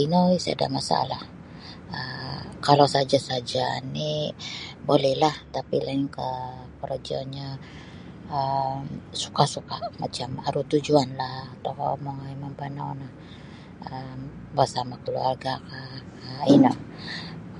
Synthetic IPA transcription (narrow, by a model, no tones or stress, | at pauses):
inəisa̰da̰ʔmasa̰lah | əkalawsad͡ʒasad͡ʒani | bolɛhlaht̪apilaiŋkə | pəɾd͡ʒa̰ɲa | əmsu̥kasukamat͡ʃama̰ɾut̪ud͡ʒuanlaht̪okamoŋaimampanawnah | əmbasamakəlua̰rɡakaəinə